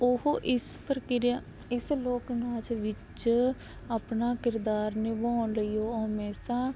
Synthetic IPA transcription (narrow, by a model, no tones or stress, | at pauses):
ʊɦoʔɪspəɾkɪɾa | ɪsloːknaːd͡ʒʋɪt͡ʃ | apnaːkɪɾd̪aːɾneːbaːnləiːoːɦmeːsãː